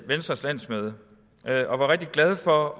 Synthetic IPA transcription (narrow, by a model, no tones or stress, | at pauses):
ʋensd̥ʁɐslæn̰smøð̞ˠə | ʔøʔɒ̽ʋɑ̈ʁɛɡ̥̚d̥iɡ̥læð̞ˠfɒ̽